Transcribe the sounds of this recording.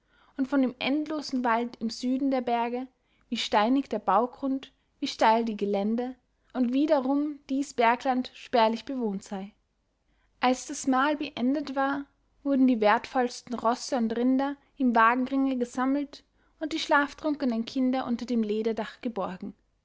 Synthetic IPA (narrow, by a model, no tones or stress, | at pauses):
ʔʊntfɔndeːmʔɛ̰ntloːzn̩valtɪmz̥yːdn̩deːɐbɛɐɡə | viːʃtaɪnɪçd̥eːɐbaʊɡʁʊnt | viːʃtaɪldiːɡəlɛndə | ʔʊntv̥iːɾɐʁʊmd̥iːsb̥ɛɐklantʃpɛːɐlɪçb̥əvoːntz̥aɪ | ʔalsd̥asmaːlbəʔɛndətv̥aːɐ | vʊɐdn̩diːvɛɐtfɔlstn̩ʁɔsəʊntʁɪndɐ | ʔɪmvaːɡŋ̩ʁɪŋəɡəzaml̩t | ʔʊnt̚d̥iːʃlaːftʁ̥ʊŋkənənkʰɪndɐʔʊntɐdeːmleːɾɐdaχɡ̥əbɔɐɡŋ̩